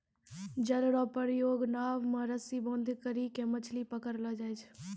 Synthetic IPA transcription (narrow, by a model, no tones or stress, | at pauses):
d͡ʒəlɽɔpəɾjoːɡnaːʋmãɾəsibõːnd̪ʱkəɾikemət͡ʃʰlipəkəɾlɔd͡ʒaːjt͡ʃʰ